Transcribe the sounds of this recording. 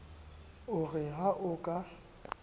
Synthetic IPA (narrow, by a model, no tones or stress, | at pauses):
ʊɣɪɦaʔʊkʼa